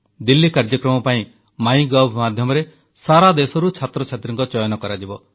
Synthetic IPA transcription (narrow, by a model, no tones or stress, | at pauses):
d̪ilːikaɾd͡ʒɔkɾɔmɔpaĩ | maj̃ɡɔbʱmad̪ʱjɔmɔɾe | saɾad̪esɔɾut͡ʃʰat̪ɾɔt͡ʃʰat̪ɾɔ̃ŋkɔt͡ʃɔjɔnɔkɔɾad͡ʒibɔ